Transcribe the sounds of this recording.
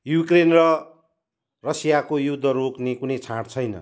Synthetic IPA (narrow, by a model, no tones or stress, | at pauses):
jukrenrʌ | rʌsijakojud̪ʱːʌɾoknekunʌjt͡sʰaɽt͡sʰʌjnʌ̰